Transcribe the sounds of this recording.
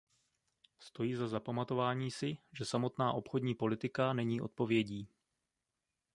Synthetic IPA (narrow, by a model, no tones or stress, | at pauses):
st̪o̞jiːzazapamat̪o̞vaːɲiːsɪʒɛsamo̞t̪naːʔo̞pxo̞dɲiːpo̞lɪt̪ɪkanɛɲiːʔo̞t̪̚po̞vjɛɟiː